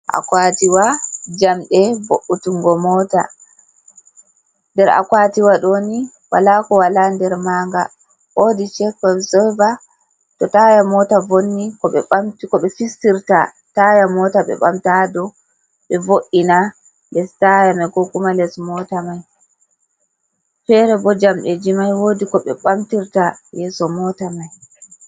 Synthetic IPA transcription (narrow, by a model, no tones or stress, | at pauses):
ʔa̰kwatiwad͡ʒamɗɛvoʔːutuŋɡɔmɔːta̰ | ndɛɾa̰kwatiwaɗoni | wa̰lakɔwalandɛɾmaːŋɡa̰ | ʔodit͡ʃɛkɔlsɔva | tɔtajamɔtavonːikɔɓɛɓamtkɔɓɛfistiɾta | tajamɔtaɓɛ̰ɓa̰mtadɔ | ɓɛvoʔina | nɛstajamɛkɔkumalɛsmɔtamaj | fɛɾɛbɔd͡ʒamɗɛd͡ʒimajwoːdikɔɓɛ̰ɓamtiɾtajɛːsɔmɔtamaj